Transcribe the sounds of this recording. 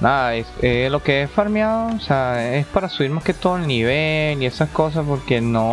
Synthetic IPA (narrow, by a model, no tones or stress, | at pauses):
naðaeselo̞ke̞esfaɾmjaðoseaespaɾasuβiɾmaske̞t̪o̞ðoelniβ̞elie̞sasko̞s̬aspo̞ɾke̞no